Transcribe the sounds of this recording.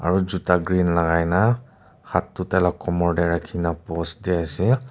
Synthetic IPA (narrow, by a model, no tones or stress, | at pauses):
a̰ɹuzutaɡɹinlaɡajna | xʰatːutɛlakɔmɔɹdɛɹakʰinapɔsdiasi